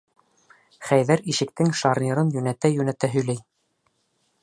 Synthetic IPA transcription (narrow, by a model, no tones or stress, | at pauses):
χæjðæɾiʃɘ̆kt̪ɘŋʃɑɾnʲiɾɤnjɵ̆næt̪æjʉnæt̪æɦɵ̆jlæj